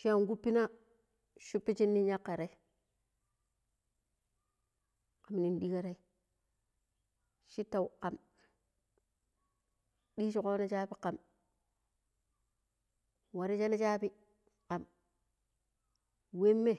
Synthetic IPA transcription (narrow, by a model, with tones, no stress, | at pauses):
ʃi˦a˦˨ŋɡu˦pːi˦na˦ | ʃu˦pːi˦t͡ʃi˦nːi˦ɲa˦kːa˨ɾe˦ | ka˨m˨ni˨nɗi˦ka˦ɾa˦i˦ | ʃi˦ta˨u˨ka˨m | ɗiː˦ʃi˨ko˦na˦t͡ʃa˦pi˦ka˨m | wa˨ɾi˦t͡ʃa˦le˦t͡ʃa˦bi˦ | ka˨m | we˦mːe˦